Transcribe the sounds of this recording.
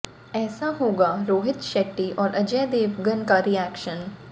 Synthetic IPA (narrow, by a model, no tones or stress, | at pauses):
ɛːsaɦoːɡaɾoːɦɪt̪ʃɛːʈːiʔɔːɾʔɐd͡ʒɛːd̪eːʋɡənkaɾiɛːkʃən